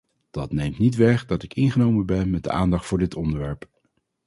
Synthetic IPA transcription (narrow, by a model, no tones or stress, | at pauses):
d̥ɑtnejmtnitʋɛχdɑtɪkɪnχənowmənbɛnmɛdə̰ʔaːndɑχtfʊːɹdɪtɔndəɹʋɛɹp